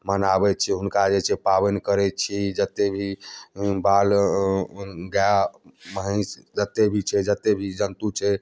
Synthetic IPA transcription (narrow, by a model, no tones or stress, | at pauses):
mənabɛtt͡ʃʰɛɦunkad͡ʒet͡ʃʰɛpabənkəɾɛt͡ʃʰid͡ʒət̪ːebʱi | bal | ɡaaməɦəsd͡ʒət̪ːebʱit͡ʃʰɛd͡ʒət̪ːebʱid͡ʒənt̪ut͡ʃʰɛ